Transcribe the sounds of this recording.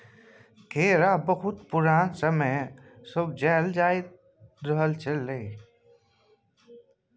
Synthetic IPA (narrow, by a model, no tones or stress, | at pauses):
kʰeːɾabəhʊt̪̚pʊɾaːnsəməjsəb̚d͡ʒɛːld͡ʒaːe | d̪ɾəɦəlt͡ʃəlːeː